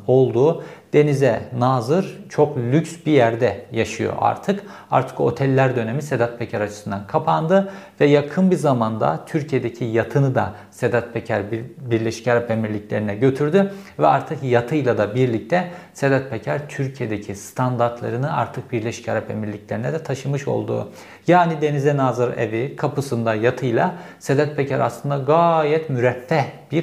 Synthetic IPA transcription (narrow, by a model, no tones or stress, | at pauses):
o̞lˠd̪uːd̪̥e̞nizɛnaːzɯɾt͡ʃʰo̞klʲycsbijæɾd̪ɛjaʃɯjo̞̰ʔa̰ɾt̪ʰɯk | a̰ɾt̪ʰɯ̥ko̞̰t̪ʰɛlʲːæɾd̪ø̞ne̞mise̞d̪at̪̚pʰecʰæɾat͡ʃʰɯ̥sɯnd̪ankʰapʰand̪ɯvɛjakʰɯnbizamand̪a̰t̪ʰyɾcʰije̞d̪ecʰijat̪ʰɯnɯd̪a | se̞d̪at̪̚pʰecʰæɾbiɾlʲeʃi̥chaɾape̞miɾlʲiclʲe̞ɾinɛɟø̞t̪ʰyɾd̪y | vɛaɾt̪ʰɯkjat̪ʰɯjlˠad̪abiɾlʲic̚t̪ʰɛsed̪at̪̚becʰæɾt̪ʰyɾcʰije̞d̪ecʰist̪ʰand̪aɾt̪lˠa̰ɾɯnɯna̰ɾt̪ʰɯk̚biɾlʲeʃi̥chaɾape̞miɾlʲiclʲe̞ɾinɛd̪ɛt̪ʰaʃɯmɯʃo̞̰lˠd̪ṵː | jaːnid̪e̞nizɛnaːzɯɾevikʰapʰɯsɯnd̪ajat̪ʰɯjlˠa | sed̪at̪̚pecʰæɾa̰slˠɯnd̪aɡaːjɛt̪myɾɛfːɛhb̥iɾ